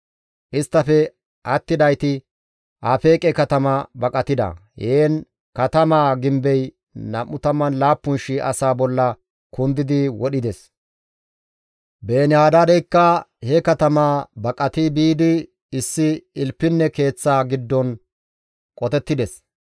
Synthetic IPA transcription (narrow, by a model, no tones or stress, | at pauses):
ʔɪst̪ːɐfɛ | ʔɐt̪ːɪd̪ɐjt̪ɪ | ʔaːfe̞ːkʼɛkɐt̪ɐmɐbɐkʼɐt̪ɪd̪ɐ̰heːn | kɐt̪ɐmaːɡɪmbɛj | nɐmːʊt̪ɐmːɐnlaːpːʊnʃɪʔɐ̰saːbɔlːɐ | kʊnd̪ɪd̪ɪwɔɗɪd̪ɛs | be̞ːnɪhaːd̪ad̪ɛjkːɐhɛkɐt̪ɐmaːbɐkʼɐt̪ibiːd̪ɪ | ɪsːɪɪlpːɪnːɛke̞ːt͡sːaːɡɪd̪ːɔn | kʼɔt̪ɛt̪ːɪd̪ɛs